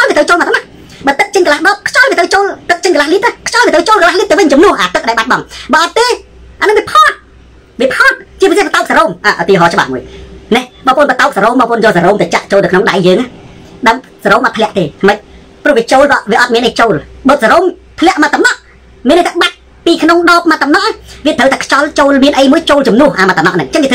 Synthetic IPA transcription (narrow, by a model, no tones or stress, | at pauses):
kɑlʋiət̪rəwt͡ɕoːlmaːt̪ʰənɑʔ̚ | ɓəːt̪ɨk̚t͡ɕəɲkəlaːhɗɑːp̚kʰt͡ɕɑliət̪rəwt͡ɕoːlt̪ɨk̚t͡ɕəɲkəlahliəp̪̚nəkʰt͡ɕɑlʋiət̪ɾəwt͡ɕoːlkəlaːhliəp̚t̪əwʋɨɲt͡ɕɑmnʊ̆əhʔaːt̪ɨk̚ɗaɛjɓat̪̚ɓɑŋɓɑːʔɑt̪ːeː | ʔanɨŋʋiəpʰɔːt̪̚ | ʋiəpʰot̪̚t͡ɕiəp̬isehpat̪aʊk̚saɾoːmʔaːʔɔt̪iəɦɑːt͡ɕə̆ɓa̰hmuəjnɛhɓɑːpʰoːənpət̪aʊk̚saɾoːmɓɑːpʰʔonjɔːsaɾoːmt̪əːt͡ɕaʔt͡ɕoːlt̪əwkʰnoŋɗajːəːŋa | ɗəŋ | saɾoːmʔɑt̪̚pʰlɛ̆əʔt̪eːt̪ʰaməc̚ | prʊ̆əhʋiət͡ɕoːlkɑʋiəʔɑt̪̚miənʔəjt͡ɕoːlɓoːt̪̚saɾoːmt̪ʰlɛ̆əʔmat̪ːamnɑʔ | miənʔəjt̪aɓat̪̚ | piːkʰnoŋɗɔːp̚mat̪ːɑmnɑʔaʋiət̪ʰəwt̪aːkʰt͡ɕɑlt͡ɕoːlmiənʔəjmuəjt͡ɕoːlt͡ɕɑmnŭəhʔaːmat̪ːənɑ̰ʔnɨŋʔt͡ɕəŋkiət̪ʰː